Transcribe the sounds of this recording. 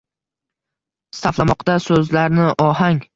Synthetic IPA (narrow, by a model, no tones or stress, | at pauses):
st̪aflˠamɒqd̪asɵzlaɾnɪʔɒɦaŋʲ